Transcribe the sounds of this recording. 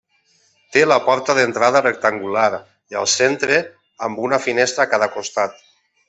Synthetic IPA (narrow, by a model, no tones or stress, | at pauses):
t̪elapɔɾt̪aðent̪ɾað̞arek̚t̪aŋɡulaɾ | ia̰lˠsent̪ɾe | ambunafinest̪ɾakaðakost̪at̪